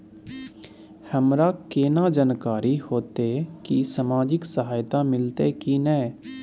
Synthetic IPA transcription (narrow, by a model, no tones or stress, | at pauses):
həmɾaːkeːnãːd͡ʒənkaːɾiːhoːt̪ekisəmaːd͡ʒɪksəɦaːjt̪aːmɪlt̪ekiːnɛː